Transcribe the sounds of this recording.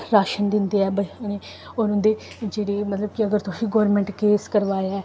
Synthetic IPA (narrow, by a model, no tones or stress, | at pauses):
ɾaːʃənd̪ɪnd̪eːɛːbəneː | oɾʊ̃nd̪eː | d͡ʒeːɽeːmət̪ləb̚kɪəɡəɾt̪ʊsiːɡoːɾmɛ̃ːɳʈkeːskəɾʋaːeɛː